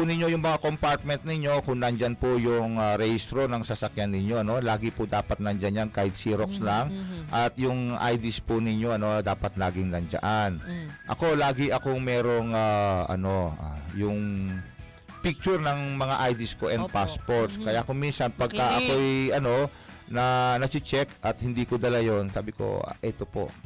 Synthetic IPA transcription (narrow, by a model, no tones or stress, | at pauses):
pʊnɪɲjojʊŋmɐŋakompaɹt̪̚mɛnt̪̚nɪɲjo̞kʊŋnɐnd͡ʒanpʊjʊŋaɾɛhist̪ɾonɐŋsɐsɐkjanːɪɲjo̞ʔɐno̞laːɡɪpʊd̪aːpɐt̪̚nɐnd͡ʒanjankajd̪siɾokslaŋʔɐt̪jʊŋʔajd̪ɪspʊnɪɲjo̞ʔɐno̞d̪aːpɐt̪̚laːɡɪŋlɐnd͡ʒɐ̰ʔanʔɐ̰ko̞laːɡɪʔɐkoŋmɛːɾo̞ŋaʔɐ̰no̞ʔa̰jʊŋ | pɪk̚t͡ʃʊɾnɐŋmɐŋaʔajd̪ɪskoʔɛnd̪paspoɾt̪skɐjakominsɐnpɐɡ̚kɐʔɐko̞ɛjɐno̞ | nɐnɐt͡ʃɪt͡ʃɛkʔɐt̪̚hɪnd̪iːkod̪ɐlajo̞nsaːbɪko̞̰ʔɛt̪opo̞̰ʔ